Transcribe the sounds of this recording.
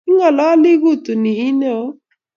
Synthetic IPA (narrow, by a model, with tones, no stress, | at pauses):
i˦ŋɔ˨lɔ˨˦lɪ˦ɣu˦˨tu˨ni˨i˦ne˦o˦